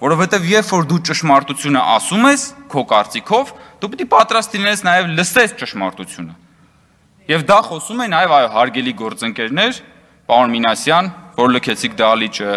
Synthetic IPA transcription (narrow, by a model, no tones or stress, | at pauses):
vɔɾɔfhɛt̪ɛvjɛɾfɔɾd̪ut͡ʃəʃmɑɾt̪ut͡sʰjunə̰ʔɑ̰sumɛskʰɔkɑɾt͡sikʰɔvd̪̥up̬it̪ipɑt̪ɾɑst̪linɛsʰnɑjɛvləsɛst͡ʃəʃmɑ̰ɾt̪ut͡sʰjunə | jɛvd̪ɑχɔsumɛnɑjɛvɑjɔɦɑɾɡɛliɡɔɾt͡səŋkɛɾnɛɾ | pɑɾunminɑsjɑnvɔɾləkʰɛt͡sʰikʰd̪ɑlit͡ʃʰə